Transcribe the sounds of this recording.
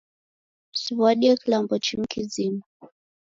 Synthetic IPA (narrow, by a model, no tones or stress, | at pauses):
siwaɗiakilambɔt͡ʃim̩kizima